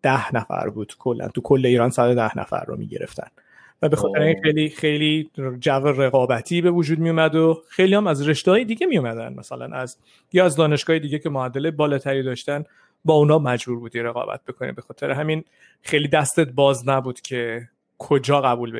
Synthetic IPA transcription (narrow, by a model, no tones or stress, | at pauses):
d̪̥æhnæfæ̰ɾbuːd̪̥kʰo̞lːæ̰nt̪ʰukʰo̞lːeiːɾɒːnsæd̪od̪æhnæ̰fæ̰ɾːo̰mḭːɟḛɾḛft̪ʰæ̰n | væbe̞xɒːt̪ʰɾeinxejliːxejlid͡ʒævereɣɒːbæt̪ʰiːbe̞vod͡ʒuːd̪̚mijomæd̪oxejliːhæmæzre̞ʃt̪ehɒːjed̪iːɟemijomæd̪ænmæ̰sælæ̰nʔæz | jiæzd̪ɒːne̞ʃɡ̥ɒːjed̪iːɟecʰe̞moæd̪ːelebɒːlɒːt̪ʰæɾiːd̪ɒːʃt̪æn | bɒːunhɒːmæd͡ʒbuːɾbuːd̪iɾeɣɒ̰ːbæ̰t̪̚bekʰonḭbe̞xɒːt̪ʰe̞ɾeɦæmin | xejlid̪æst̪et̪̚bɒːznæbuːd̪̥cʰe̞ | kʰod͡ʒɒːɣæbuːlbe